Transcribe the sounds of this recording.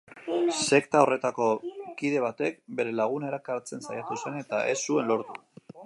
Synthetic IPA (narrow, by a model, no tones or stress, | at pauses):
se̞kt̪ao̞re̞t̪ako̞kiðe̞β̞at̪e̞k̚be̞ɾe̞laɣ̞une̞ɾakaɾt͡se̞nsajat̪use̞ne̞t̪aʔesːue̞nlo̞ɾt̪u̥